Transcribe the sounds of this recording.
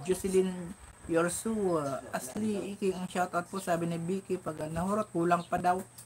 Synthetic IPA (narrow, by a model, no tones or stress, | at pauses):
d͡ʒusɪlinpjoɹsuʔasliikɪɐŋʃawt̪awt̪̚posaːbɪnibikɪpɐɡɐlnɐhoɾot̪̚kuːlaŋpɐd̪aw